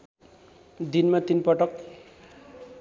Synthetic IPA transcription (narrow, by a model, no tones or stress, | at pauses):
d̪inmat̪inpʌʈʌk̚